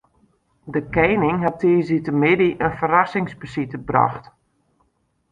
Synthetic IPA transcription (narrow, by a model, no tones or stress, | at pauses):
dəkɛjnɪŋɦɛtiːzitəmɪdiʔənfərasɪŋspəsitəbra̰xt